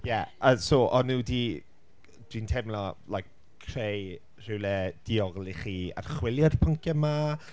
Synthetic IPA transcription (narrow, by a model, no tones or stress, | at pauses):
jɛəsoːʔɔnuːdi | d̥wintʰɛmlɔlajk̚ʰː | rej | r̥ɪwlɛd̥iɔɡlˠiχiːa̰rχwɪlˠjarpʰəŋkʰjɛma